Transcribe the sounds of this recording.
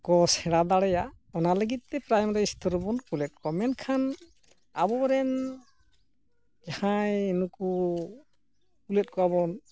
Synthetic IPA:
kɔsɛɽad̪aɽɛja | ɔnaləɡit̪̚ːɛpɾajmɾɛist̪ɔɾbɔnkulɛt̪̚kɔmɛnkʰan | a̰bɔɾɛn | d͡ʒahãjnuku | kulɛt̚kɔabɔn

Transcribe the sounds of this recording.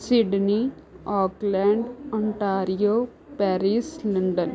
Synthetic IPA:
siɖni | ɔːklɛːɳɖɐ̃ɳʈaːɾijoː | pɛːɾislɐɳɖən

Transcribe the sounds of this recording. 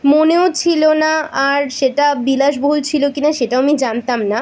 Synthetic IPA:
moneot͡ɕʰilonaaɾʃeʈabilaʃ̬boɦult͡ɕʰilokinaʃeʈaamid͡ʑant̪amna

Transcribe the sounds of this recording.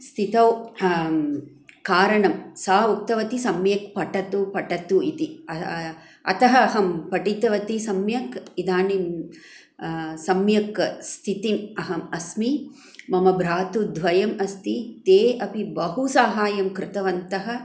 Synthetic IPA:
st̪ʰit̪ɐw | kaːɾɐɳɐmsaːuk̚t̪ɐʋɐt̪isɐmjɐk̚pɐʈɐt̪upɐʈɐt̪uit̪iɐ | ɐ̰t̪ɐɦɐːɦɐmpɐʈit̪ɐʋɐt̪isɐmjɐkid̪aːnin | sɐmjɐkst̪ʰit̪inɐɦɐmɐsmi | mɐmɐbʱɾaːt̪ud̪ʱʋɐjɐmɐst̪it̪eːɐpibɐɦusaːɦaːjɐmkɾɪt̪ɐʋɐnt̪ɐɦɐ̆

